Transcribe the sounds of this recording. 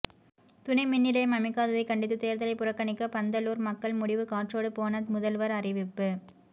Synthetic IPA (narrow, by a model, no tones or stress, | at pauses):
t̪ʊnɐɪmɪnːɪlɐjmɐmɪkːaːðɐðɐɪkːɐɳɖɪt̪ːɯt̪eːɾðɐlɐɪpʊrɐkːɐnɪkːɐpɐnd̪ɐluːɾmɐkːɐɭmʊɽɪʋɯkaːʈroːɽɯpoːnɐðmʊðɐlʋɐɾɐrɪʋɪpːɯ